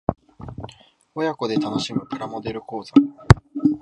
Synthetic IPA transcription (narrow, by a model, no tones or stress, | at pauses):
ojako̞d̪e̞t̪ano̞ɕimɯ̟pɯ̟ɾamo̞d̪e̞ɾɯ̟ko̞ːza